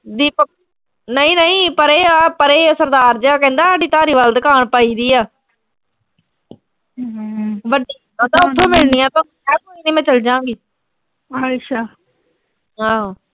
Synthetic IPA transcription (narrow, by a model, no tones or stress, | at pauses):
d̪iːpə | nəĩːnəĩːpəɾeːpəɾeːsəɾd̪aːɾd͡ʒaːkɛ̃ːnd̪aːaːɖiːt̪aːɾiːʋaːld̪əkaːɳpaːiːd̪iːaː | ʋəɖiː | t̪aːʊt̪ʰːõːmɪlniːãːt̪õː | ɛːkoiːd̪ĩːmɛ̃ːt͡ʃəld͡ʒãːŋɡiː | ʃʰaː | ɦãː